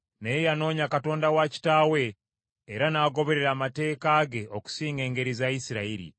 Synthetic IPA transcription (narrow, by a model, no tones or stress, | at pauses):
nejano̞ːɲakato̞ːndawaci̥taːwe̞ː | ɾanaːɡo̞βe̞ɾe̞ɾaːmate̞ːkaːɡe̞ʔoku̥siːŋɡe̞ːŋɡe̞ɾizajisiɾaiɾḭ